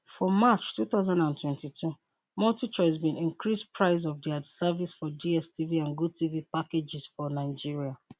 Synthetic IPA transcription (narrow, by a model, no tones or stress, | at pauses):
fɔmat͡ʃtuθaʊzãndãntʰwɛ̃ntitʰu | mɔltit͡ʃɔzbĩnĩŋkɹispʰɹaɪz̬ɔvdiadsavisfɔdiɛstʰiviãnɡutʰivipaked͡ʒɪsfɔnaɪd͡ʒiɹia